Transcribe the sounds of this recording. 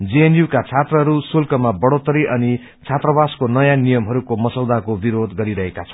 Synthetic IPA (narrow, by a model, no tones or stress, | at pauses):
d͡zeenjukat͡sʰat̪rʌɦʌɾusulkʌmabʌɽot̪ʌɾiʔʌni | t͡sʰat̪rʌbaskonʌjanijʌmɦʌɾukomʌsʌwd̪akobiɾod̪ɡʌɾiɾʌɦekat͡sʰʌ̥